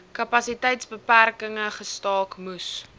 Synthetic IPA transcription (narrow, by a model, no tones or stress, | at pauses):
kɐpɐsitɛjtsbəpærkəŋəχəstɑːkmus